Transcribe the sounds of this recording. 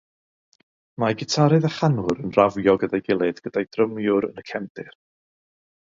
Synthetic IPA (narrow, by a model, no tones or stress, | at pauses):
maɡɪtʰaɾɨðaχanʊɾənravjɔɡədajɡɪlˠɨdɡ̥ədajdrəmjʊɾə̰nəkʰɛmdɪr